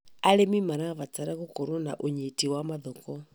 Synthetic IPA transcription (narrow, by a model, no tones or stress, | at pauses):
aɾemimaɾaβat͡saɾaɣokoɾona̰ʔoɲetiwamaðɔkɔ